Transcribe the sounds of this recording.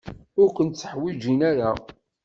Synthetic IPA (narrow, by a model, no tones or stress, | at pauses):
ʊɾkʷənt̪t͡sːəħwid͡ʒinaɾa